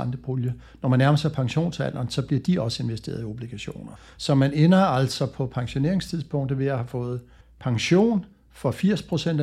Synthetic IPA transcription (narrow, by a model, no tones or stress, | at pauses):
ɑnd̥əb̥oljə | nɒmænːæɐmɐsɑ̈ɪpʰɑ̈ŋɕo̝̰ːnsæ̰n̰ɐnsɒ̽b̥liɐd̥iɒ̽səe̝nʋesd̥e̝̰ːɐð̞ˠio̝b̥liɡ̥æɕo̝̰ːnɐ | sɒ̽mænenɐæl̰sɒ̽pʰɒ̽pʰɑ̈ŋɕo̝ne̝̰ɐeŋst͡sʰiðˠsb̥ɔ̽ŋ̰d̥ð̩ˠʋe̝æhæfɔ̽ːð̞̩ˠ | pʰɑ̈ŋɕo̝̰ːn | fɒ̽fiɐ̰spʰʁo̝sen̰d̥